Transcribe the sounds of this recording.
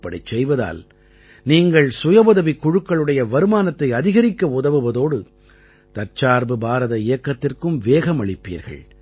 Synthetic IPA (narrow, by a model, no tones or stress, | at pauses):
pːɐɽɐt͡ʃːɛjʋɐða̰ːl | niːŋɡɐɭsʊjɐbɐðɐʋikːʊɻɯkːɐɭɯɽɐjɐʋɐɾɯmaːnɐt̪ːɐɪɐðɪɣɐɾɪkːɐʊðɐʋɯʋɐðoːɽɯ | t̪ɐɾt͡ʃaːɾbɯbaːɾɐðɐɪjɐkːɐt̪ːɪrkɯmʋeːɣɐmɐɭɪpːḭːɾɣɐ̰ɭ